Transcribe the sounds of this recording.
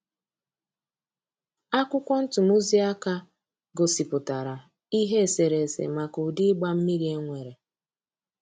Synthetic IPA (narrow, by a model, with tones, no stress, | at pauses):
a˦kʷʊ˦kʷɔ˦n̩˦tʊ˨mu˦zi˦a˦ka˦ | ɡo˨si˨pʊ˨ta˨ɾa˨ | i˦ɦe˦˨se˨ɾe˨sḛ˨ma˨kʊ˨dɪ˦ɡ͡ba˦m̩˦ni˦ɾe˦ŋʷe˨ɾe˨